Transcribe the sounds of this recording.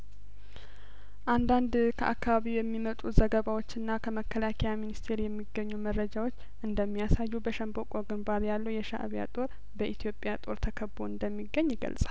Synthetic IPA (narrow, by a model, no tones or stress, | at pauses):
ʔand̪and̪kʰə̰ʔakːaβaβiwjɛmːimət̪ʼuzəɡəβawo̞t͡ʃːɨnːakʰəməkʰːəlakʰɛjaminist̪ʰe̞ɾjɛmːiɡːəɲːuməɾːəd͡ʒawot͡ʃːʔɨnd̪əmːijasajːubəʃəmbokʼoɡɨnbaɾjalːəwjɛʃa̰ʔβja̰t̪ʼo̞ɾ | bəʔit̪ʰijo̞pʼjat̪ʼo̞ɾt̪ʰəkʰəboɨnd̪əmːiɡːəɲːɪɡə̰lsʼal